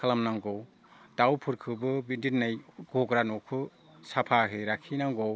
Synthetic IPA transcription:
kʰalamnaŋɡɔw | dawpʰɯɾkʰɯbɯbidinnajɡɔɡɾanɔkʰɯ | sapʰaɦeɾakʰinaŋɡɔw

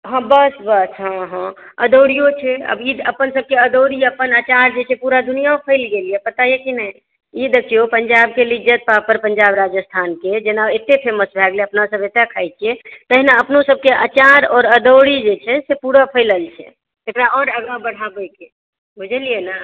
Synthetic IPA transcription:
ɦə̃bəsbəsɦãɦãəd̪oɽijot͡ʃʰɛə̰biə̰pənsəb̚keəd̪oɽiəpənat͡ʃaɾd͡ʒet͡ʃʰɛpuɾad̪unijaopʰəɪlɡelijepət̪ajekinəi | id̪əkʰijopənd͡ʒab̚kelid͡ʒət̪̚papəɾpənd͡ʒabɾad͡ʒəst̪ʰanked͡ʒenaet̪ːepʰeməsbʱɛɡleəpnasəbet̪akʰajt͡ʃʰiet̪əɦinaəpnosəb̚keʔat͡ʃaɾɔːɾəd̪oɽid͡ʒet͡ʃʰɛsepuɾapʰəɪləlt͡ʃʰɛ̰ | ekɾaʔɔɾəɡabəɽ̤abəjke | bʱud͡ʒʱəlijena

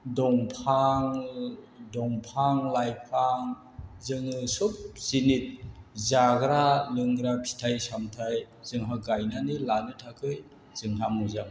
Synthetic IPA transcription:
dɔŋpʰaŋ | dɔŋpʰaŋlajpʰaŋ | zɯŋɯsup̚z̥init̚zaɡɾalɯŋɾapʰi̥tʰajsamtʰaj | z̥ɯŋɦaɡajnanɯlanɯtʰakʰɯj | z̥ɯŋɦamuzam

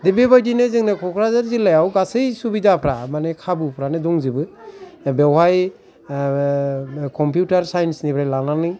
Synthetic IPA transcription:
debebajdinɯzɯŋnɯkʰɔkʰɾazaɾzilːajawɡasɯjsubidapʰɾamanekʰabɯpʰɾanedɔŋzibɯbewhaj | kɔmpjutaɾsajnsnipʰɾajlananɯj

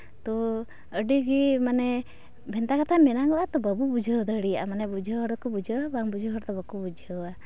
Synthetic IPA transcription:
t̪ɔ | əɖiɡimanɛ | bʱɛnt̪akat̪ʰamɛnaŋɡɔat̪ɔbəbubud͡ʒʱəd̪əɽia̰manɛbud͡ʒʱəɦɔɾɔkubud͡ʒʱəabaŋbud͡ʒʱəɦɔɾt̪ɔbəkubud͡ʒʱəa

